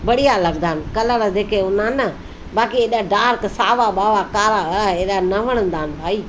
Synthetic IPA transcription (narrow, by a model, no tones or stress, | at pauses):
bəɽijaləɡd̪aːnkələɾd̪eːkeʊnãːnə | baːkieːɗaɖaːɾksaːʋaɓaːʋakaːɾaeːɗanəʋəɽ̃ə̃nd̪aːnbʱaːiː